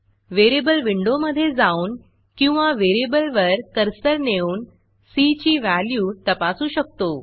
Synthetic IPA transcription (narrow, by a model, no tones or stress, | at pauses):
ʋeɾebəlʋiɳɖoməd̪ʱːjed͡zauːn | kĩw̃ʋaʋeɾebəlʋəɾkəɾsəɾneuːn | sit͡ɕiːʋæljuːt̪əpasuɕək̚t̪o